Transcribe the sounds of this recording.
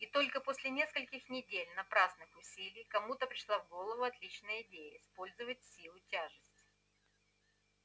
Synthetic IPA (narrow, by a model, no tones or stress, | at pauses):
it̪o̞lʲkəposʲlʲɪnʲe̞skəlʲkʲɪxnʲɪdʲelʲnɐpɾaznɨxʊsʲilʲɪjkɐmut̪əpɾʲɪʂlˠavɡo̞lˠəvʊɐt̪lʲit͡ɕnəjəɪdʲejəɪspo̞lʲzəvətʲsʲilˠʊtʲaʐɨsʲtʲɪ